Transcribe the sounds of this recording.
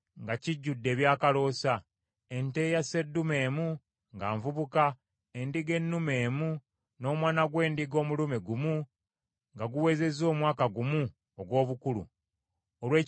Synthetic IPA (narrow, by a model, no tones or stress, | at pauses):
ŋɡaciɟːudːe̞ːβjaːkalo̞ːsa | e̞nte̞ːjase̞dːume̞ːmu | ŋɡaːɱvuβuka | e̞ndiɡe̞nːume̞ːmu | no̞ːmwaːnaɡwe̞ːndiɡo̞ːmulumeɡumu | ŋɡaɡuwe̞ːze̞zo̞ːmwaːkaɡumu | oɡwo̞ːβukulṵ | olwe̞ː